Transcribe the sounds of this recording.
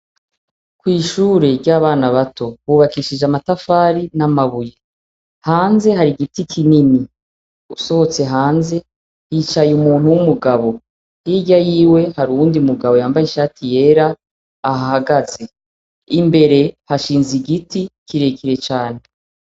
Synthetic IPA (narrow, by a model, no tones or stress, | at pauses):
kwiːʃuːɾe̞ɾɟaːβaːnaβato̞βuːβakiʃid͡ʒamatafaːɾinamaβuje | haːnze̞ɦaɾiɡitikʰinini | uso̞ho̞t͡se̞ɦaːnze̞ | hiːt͡ʃajumuːn̥huwumuɡaβo̞ | hiːɟajiːwe̞haɾuuːndiumuɡaβo̞jaːmbajiʃaːtije̞ːɾaː | haɦaɡaze̞ | imbe̞ɾe̞haʃiːnziɡitikiɾe̞kiɾe̞t͡ʃaːne̞